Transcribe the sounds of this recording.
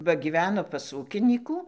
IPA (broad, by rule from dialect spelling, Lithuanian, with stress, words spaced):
ˈʋɐ ɡʲiːˈʋʲæːnoː pɐs ˈuːkʲɪnʲiːkuː